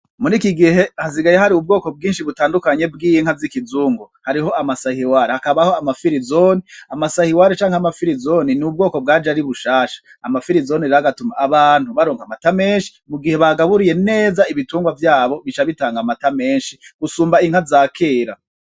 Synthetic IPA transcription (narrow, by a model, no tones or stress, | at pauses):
muɾikiɡiɦe̞haziɡajeɦaɾiub̚ɡo̞ːko̞b̚ɡiːnʃiβutaːndukaɲe̞b̚ɡiːjiŋ̥hazikizuːŋɡohaɾiɦo̞ʔamasahiwaːɾehakaβaho̞amafiɾizoniamasahiwaɾet͡ʃaːŋhamafiɾizoninub̚ɡo̞ːko̞b̚ɡaːd͡ʒaɾiβuʃaːʃḁːmafiɾizo̞niɾaɡatumaːβaːn̥huβaɾo̞ːŋɡamatame̞ːnʃi̥muɡihe̞βaɡaβuɾije̞ne̞ːzaiβituːŋɡwavjaːβo̞βit͡ʃaβitaːŋɡamatame̞ːnʃiɡ̥usuːmbaiŋ̥hazaːkʰeːɾa